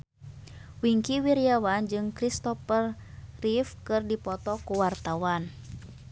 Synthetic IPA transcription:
wiŋkiwiɾiawand͡ʒɨŋkɾist̪ɔpərrifkɨrdipɔt̪ɔkuwart̪awan

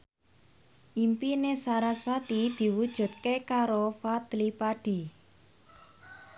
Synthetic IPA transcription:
ʔimpinesaɾaswat̪id̪̥i̤wud̥ʒ̥ṳt̪̚kekaɾofat̪lipaɖ̥i̤

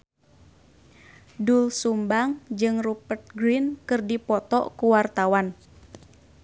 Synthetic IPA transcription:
dulsumbaŋd͡ʒɨŋrupərt̪̚ɡɾinkɨrdipɔt̪ɔ̰ʔkuwart̪awan

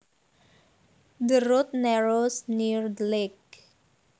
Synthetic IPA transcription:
dəɾʊt̪̚nɛɾosnirdlek̚

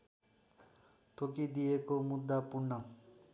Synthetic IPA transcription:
t̪ʰokid̪ijekomud̪ːapuɾɳʌ

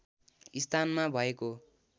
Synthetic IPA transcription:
ist̪ʰanmabʱʌeko

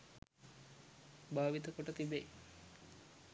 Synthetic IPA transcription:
baːʋit̪əkoʈət̪ibej

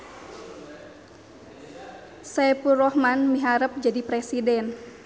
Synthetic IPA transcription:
sapurɔhmanmiɦaɾəp̚d͡ʒadipɾesidɛn

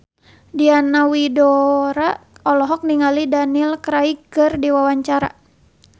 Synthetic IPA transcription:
dianawidɔɾaʔɔlɔɦɔk̚niŋalidanilkɾaikɨrdiwawaɲt͡ʃaɾa̰

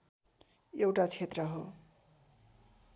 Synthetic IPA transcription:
ewʈat͡sʰet̪rʌɦo

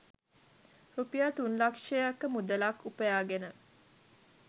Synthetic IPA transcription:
rupijat̪unlakʂejakːəmud̪əlakːupəjaːɡenə

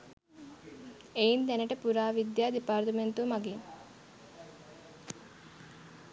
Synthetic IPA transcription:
eint̪ɛnəʈəpuɾaːʋid̪jaːd̪ipaːɾt̪əment̪umaɡin

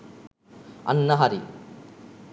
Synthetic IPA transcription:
ɐ̰nːɐɦɐɾi

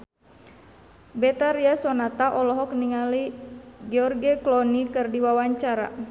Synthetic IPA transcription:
bɛt̪aɾiasɔnat̪aʔɔlɔɦɔkniŋaliɡɛɔrɡɛklɔnikɨrdiwawaɲt͡ʃaɾa̰

